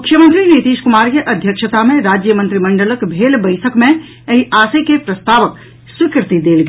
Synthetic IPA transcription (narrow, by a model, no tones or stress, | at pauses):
mʊkʰjəmənt̪ɾinit̪iːʃkʊmaːɾkeʔɐd̪ʱjəkʃət̪amẽɾaːd͡ʒjəmə̃nt̪ɾimə̃ɳɖələkbʱeːlbəɪʈʰəkmẽ | ɐɦiʔaːsekepɾɐst̪aːʋək̚ | swɪkɾɪt̪id̪eːlɡe